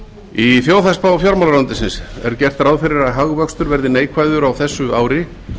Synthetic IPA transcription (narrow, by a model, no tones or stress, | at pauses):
iθjoːwθaspawɔfjɔɾmawlɾant̪ɪsɪnsɛ̰ɾ̥cɛr̥t̪ɾawðfɪɾɪɾaðɦaɣvœkst̪ʏɾvɛɾðɪneːjkʰvajðʏɾawθɛsːʏaːwɾɪ